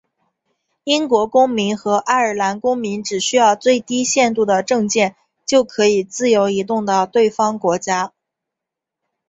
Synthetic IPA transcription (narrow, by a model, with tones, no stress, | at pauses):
i˥nkwɔ˧˥kʊ˥ŋmi˧˥nxɤ˧˥ʔa˥ɪə˞˨˩la˧˥nkʊ˥ŋmi˧˥nʈ͡ʂɻ̩˨˩ɕy˥jɑ˥˧ʊt͡swe˥˩ɪt̪i˥ɕjɛ˥˧nt̪u˥˩d̪ə˩ʈ͡ʂɤ˥˧ŋt͡ɕjɛ˥˩n | t͡ɕjo˥˩ʊkʰɤ˧˥i˨˩t͡sɹ̩˥˩jo˧˥ʊi˧˥t̪̬ʊ˥˩ŋd̪ə˩t̪we˥˩ɪfɑ˥ŋkwɔ˧˥t͡ɕja˥